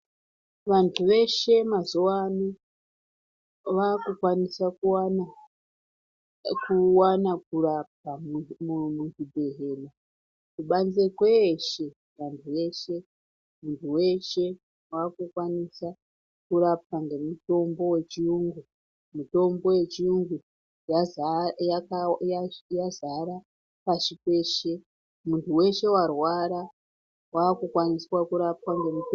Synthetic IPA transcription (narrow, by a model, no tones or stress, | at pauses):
ʋantʰuʋe̞ʃe̞mazowano | ʋakukwanisakuana | kuwanakurap̚amumutidʱe̞ɦela | kuɓanzekweʃe̞ | ʋantʰuʋe̞ʃe̞ | muntʰuwe̞ʃe̞ | waːkukwanisa | kuɾap̚aŋɡe̞muto̞mbo̞we̞t͡ʃiuŋɡu | muto̞mbo̞je̞t͡ʃiuŋɡu | jajakajazaɾa | paʃipeːʃe̞ | muntʰuwe̞ʃe̞warwaɾa | waːkukwaniswakuɾap̚waŋɡe̞mut